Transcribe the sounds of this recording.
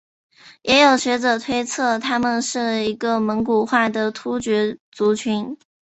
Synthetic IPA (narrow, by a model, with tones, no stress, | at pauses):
jɛ˧˥jo˨˩ʊɕɥɛ˧˥ʈ͡ʂɤ˨˩t̪ʰwe˥ɪt͡sʰɤ˥˩t̪ʰa˥mə˨nʂɻ̩˥˩i˧˥ɡə˧mə˧˥nku˨˩xwa˥˩d̪ə˩t̪ʰu˥t͡ɕɥɛ˧˥t͡su˧˥t͡ɕʰy˧˥n